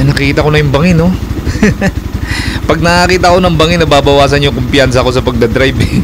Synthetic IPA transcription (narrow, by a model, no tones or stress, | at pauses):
nɐkiːt̪ɐkonɐjʊmbɐŋɪno | pɐɡ̚nɐkiːt̪ɐkonɐmbɐŋɪnːɐbaːbɐwaːsɐnjʊŋkʊmpɪjans̬ɐko̞sɐpɐɡ̚d̪ɐd̪ɾajbɛ